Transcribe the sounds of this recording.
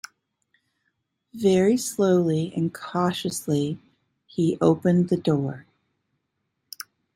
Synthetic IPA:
vɛɹisloʊlˠiɨ̰̃nkʰɑʃɨsli | iʔoʊpɨ̃nðɨdɔɹ

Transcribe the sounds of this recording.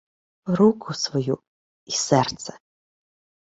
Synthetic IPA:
ɾukʰusvɔju | isɛrt̪sɛ̥

